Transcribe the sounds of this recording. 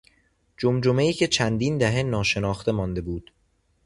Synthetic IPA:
d͡ʒomd͡ʒome̞iːcʰe̞t͡ʃʰænd̪iːnd̪æɦe̞nɒːʃe̞nɒːxt̪e̞mɒːnd̪e̞buːd̪̥

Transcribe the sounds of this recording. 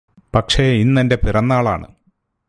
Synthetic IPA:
pɐkʂe̞inːɐnde̞pirɐnːaːɭa̰ːɳɨ̰

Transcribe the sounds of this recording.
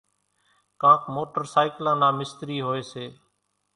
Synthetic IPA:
kãːkmoːʈəɾsaːɪklãːnãːmɪst̪ɾiːɦoːeːseː

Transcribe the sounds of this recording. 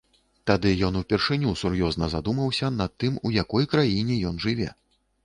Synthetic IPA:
t̪ad̪ɨjɔnupʲɛrʂɨnʲusurjɔznɐzad̪umɐwsʲɐnɐt̪ːɨmujakɔjkɾajinʲɛjɔnʐɨvʲɛ̰

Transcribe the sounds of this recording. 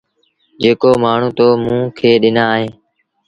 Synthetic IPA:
d͡ʒeːkoːmaːɳ̤ũːt̪oːmũːkʰeːɗɪnaːɦẽː

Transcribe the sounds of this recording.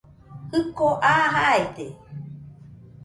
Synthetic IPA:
hɨkoʔaɦaet̪e

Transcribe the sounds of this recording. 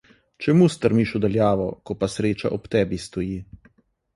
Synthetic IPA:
t͡ʃɛmust̪əɾmiʃɔd̪aljaːʋɔkɔpasɾeːt͡ʃa̰ʔɔpt̪ɛːbist̪ɔjiː

